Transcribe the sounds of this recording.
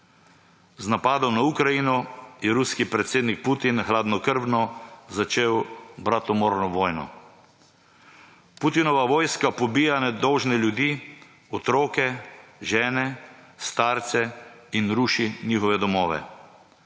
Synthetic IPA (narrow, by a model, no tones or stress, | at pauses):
znapaːd̪ɔmnaukɾajinɔjɛɾuskipɾɛt̪seːd̪nik̚put̪inxlaːd̪nɔkəɾbnɔzat͡ʃeːwbɾat̪ɔmɔɾnɔʋɔːjnɔ̰ | put̪inɔʋaʋɔːjskapɔbiːjanɛd̪ɔwʒnɛljud̪iː | ɔt̪ɾɔːkɛʒɛːnɛst̪aːɾt̪sɛinɾuʃiniːxɔʋɛd̪ɔmɔːʋɛ̰